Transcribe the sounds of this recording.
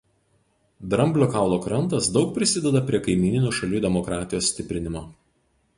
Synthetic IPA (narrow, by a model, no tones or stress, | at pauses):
d̪ɾɐmʲbʲlʲokɑˑʊlˠoːkɾɐnˑt̪ɐsd̪ɒʊk̚pʲɾʲɪsʲɪd̪ʲɛd̪ɐpʲɾʲiɛkɐɪmʲiːnʲɪnʲuːʃɐlʲuːd̪ʲɛmɔkɾɑːt̪ʲɪjoːsʲsʲt̪ʲɪpʲɾʲɪnʲɪmoː